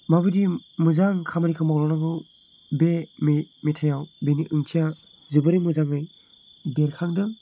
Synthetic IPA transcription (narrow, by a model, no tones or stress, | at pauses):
mabɯdimɯzaŋkʰamaɾikʰɯmawlɔnaɡɯ | bememetʰajawbeniʔɯŋtʰija | zɯbɯɾimɯzaŋɯj | beɾkʰaŋdɯ